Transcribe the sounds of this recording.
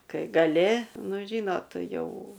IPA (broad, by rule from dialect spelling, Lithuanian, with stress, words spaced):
ˈkɐɪ ɡɐˈlʲɪ ˈnʊ ˈʒʲiːnoːt ˈjɛʊ